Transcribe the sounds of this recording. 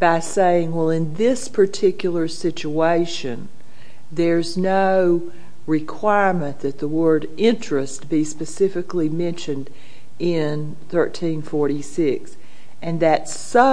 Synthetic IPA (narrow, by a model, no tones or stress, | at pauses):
b̥aɪseɪɪ̃ŋwɛlˠɪ̃nðɪspʰə˞tʰɪkjl̩ˠə˞sɪt͡ʃueɪʃɨ̃n | ðə˞znoʊ | ɹɪkʰw̥aɪɹmɨ̃nðɨt̪̚ðəwɜ˞ɾ | ɪ̃nt͡ʃɹ̥ɨst̚b̥ispɨsɪfɨklimɛ̃nʃɨ̃nd | ɪ̃n | θɜ˞tʰĩnfɔɹɾisɪks | ɨ̃nðɨtsʌ